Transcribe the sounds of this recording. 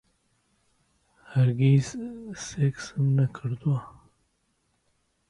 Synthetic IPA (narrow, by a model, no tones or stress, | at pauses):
haɾɡizseksəmnakʰəɾd̪ua